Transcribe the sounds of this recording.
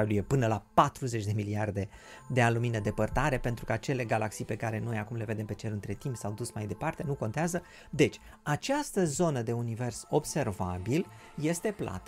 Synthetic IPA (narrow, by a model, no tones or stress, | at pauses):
lujepɨnəlapat̪ɾuze̞t͡ʃʲd̪e̞miliard̪e̞ | d̪e̞aluminəd̪e̞pərt̪aɾe̞pe̞nt̪ɾukəat͡ʃe̞le̞ɡalʔaksijpe̞kaɾe̞no̞jakumle̞ve̞d̪e̞mpe̞t͡ʃe̞lɨnt̪ɾe̞t̪impsawd̪usmajd̪e̞part̪e̞nuko̞nt̪eazə | d̪e̞t͡ʃʲ | at͡ʃast̪əzo̞nəd̪e̞unive̞rso̞bse̞rvabil | je̞st̪e̞plʔa̰t̪ə